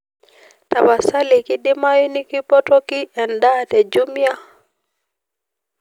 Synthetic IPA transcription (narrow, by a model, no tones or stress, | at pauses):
tabasalikiɗimajunikipɔtɔkiɛndatɛd͡ʒumja